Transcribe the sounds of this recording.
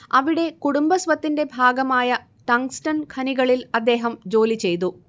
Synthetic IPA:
ɐʋiɽe̞kuɽumbɐsʋɐt̪ːinde̞bʱaːɡɐmaːjɐ | ʈɐŋsʈɐnkʰɐniɣɐɭilɐd̪ːe̞ːɦɐmd͡ʑo̞ːlit͡ɕe̞jt̪u

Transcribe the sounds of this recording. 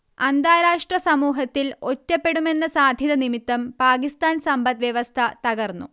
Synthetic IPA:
ɐnd̪aːɾaːʂʈrɐsɐmuːɦɐt̪ːilotːɐpːe̞ɽume̞nːɐsaːd̪ʱjɐðɐnimit̪ːɐmpaːkist̪aːnsɐmbɐt̪ʋjɐʋɐst̪ʰɐt̪ɐɣɐrnːṵ

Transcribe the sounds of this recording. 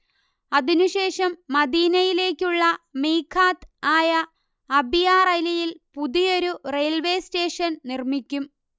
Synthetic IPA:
ɐðinuɕe̞ːʂɐmːɐd̪iːnɐjile̞ːkʲːuɭːɐmiːkʰːaːt̪aːjɐː | bijaːrɐjlɐjilpuðijo̞ɾurejlʋe̞ːste̞ːʂɐnnirmikʲːum

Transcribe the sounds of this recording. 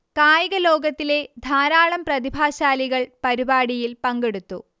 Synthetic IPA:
kaːjɐɣɐlo̞ːɡɐt̪ːile̞d̪ʱaːɾaːɭɐmprɐðibʱaːɕaːliɣɐɭpɐɾibaːɽijilpɐŋɡeɽut̪ːu

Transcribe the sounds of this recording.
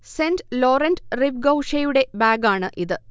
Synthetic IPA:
seːndlo̞ːɾɐndriʋɡɐwʂɐjuɽe̞baːɡaːɳɨʔiðɨ

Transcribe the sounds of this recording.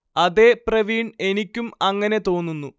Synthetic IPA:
ɐðe̞ːprɐʋiːɳe̞nikʲːumɐŋːɐne̞t̪o̞ːnːunːu

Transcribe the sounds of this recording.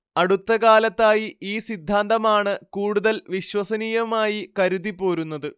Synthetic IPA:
ɐɽut̪ːɐkaːlɐt̪ːaːjiiːsid̪ʱːaːnd̪ɐmaːɳɨkuːɽuðɐlʋiɕwɐsɐniːjɐmaːjikɐɾuðipːo̞ːɾunːɐðɨ

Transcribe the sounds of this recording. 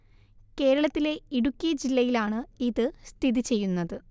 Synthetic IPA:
ke̞ːɾɐɭɐt̪ːile̞iɽukʲːijɐd͡ʑilːɐjilaːɳɨiðɨst̪ʰiðit͡ɕe̞jːunːɐðɨ

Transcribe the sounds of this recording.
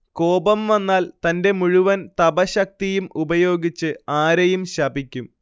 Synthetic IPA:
ko̞ːbɐmʋɐnːaːlt̪ɐnde̞muɻuʋɐnt̪ɐbɐɕɐk̚t̪ijumubɐjo̞ːɡit͡ɕːɨaːɾɐjumɕɐbikʲːum

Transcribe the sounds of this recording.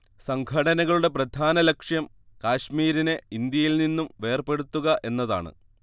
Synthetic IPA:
sɐŋɡʱɐɽɐnɐɣɐɭuɽe̞prɐd̪ʱaːnɐlɐkʂjɐm | kaːɕmiːɾineind̪jɐjilninːumʋe̞ːrpe̞ɽut̪ːuɣɐʔe̞nːɐða̰ːɳɨ̰

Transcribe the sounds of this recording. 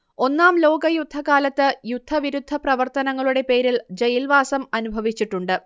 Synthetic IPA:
o̞nːaːmlo̞ːɡɐjud̪ʱɐkaːlɐt̪ːɨjud̪ʱːɐʋiɾud̪ʱːɐprɐʋɐrt̪ɐnɐŋːɐɭuɽe̞pe̞ːɾild͡ʑɐjilʋaːsɐmɐnubʱɐʋit͡ɕːiʈːuɳɖɨ

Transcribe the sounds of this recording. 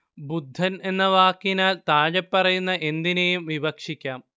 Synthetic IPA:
bud̪ʱːɐne̞nːɐʋaːkːinaːlt̪aːɻepːɐrɐjunːɐʔe̞nd̪inejumʋibɐkʂikʲːaːm

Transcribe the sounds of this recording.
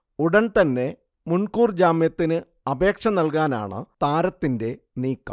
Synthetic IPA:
uɽɐnt̪ɐnːe̞ | munkuːrd͡ʑaːmjɐt̪ːinɨ | ɐbe̞ːkʂɐnɐlkaːna̰ːɳɨ̰t̪aːɾɐt̪ːinde̞ | niːkːɐ̰

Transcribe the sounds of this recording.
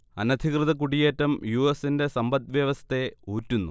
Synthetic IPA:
ɐnɐd̪ʱikrɨðɐk̬uɽijeːtːɐmjuesinde̞sɐmbɐd̪̚ʋjɐʋɐst̪e̞uːtːunːu

